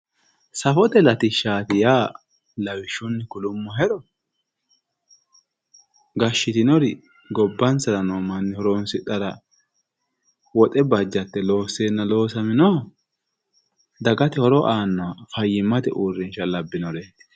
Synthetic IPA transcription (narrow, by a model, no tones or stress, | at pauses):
sɐfɔt̪ɛlɐt̪ɪʃːaːt̪ɪjaː | lɐwɪʃːʊnːɪkʊlʊmːɔɦɛɾɔ | ɡɐʃːɪt̪ɪnɔɾɪ | ɡɔbːɐnsɐɾɐnoːmɐnːɪhɔɾoːnsɪt̪ʼːɐɾɐ | wɔt̪ʼɛbɐd͡ʒːɐt̪ːɛlo̞ːsːeːnːɐlo̞ːsɐmɪnoː | d̪ɐɡɐt̪ɛhɔɾɔʔaːnːɔfɐjːɪmːɐt̪ɛʔuːrːɪnʃɐlɐbːɪnɔɾe